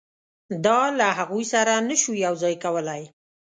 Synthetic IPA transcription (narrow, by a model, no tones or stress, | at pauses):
d̪ɑlaɦaɣujsaɾanəʃujawzɑjkawəlaj